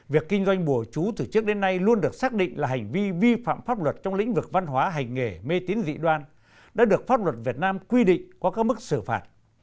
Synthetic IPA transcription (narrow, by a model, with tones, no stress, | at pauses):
vi˨˩əkːi˧ŋ̟zwa˧jŋ̟ɓu˧˩ət͡ɕu˨˦t̪ɨ˨˩t͡ɕɨ˦˥ək̚ɗe˨˦nːa˧jlu˧ənɗɨ˨˩ək̚saː˦˥k̚ɗḭ̈˧˨ŋ̟laː˨˩ɦa˨˩jŋ̟vi˧vi˧fa̰ː˧˨mfaː˦˥p̚lwə˨˩t̚t͡ɕɔ˧wŋ͡mlḭ˧˥ŋ̟vɨ˨˩k̚va˧nɦwaː˨˦ɦa˨˩jŋ̟ŋe˧˩me˧t̪i˨˦ənzḭ˧˨ɗwaː˧n | ɗa̰ː˧˥ɗɨ˨˩ək̚faː˦˥p̚lwə˨˩t̚vi˨˩ət̚naː˧mkwi˧ɗḭ̈˧˨ŋ̟kɔ˨˦kaː˦˥k̚mɨ˦˥k̚sɨ˧˩fa̰ː˨˩t̚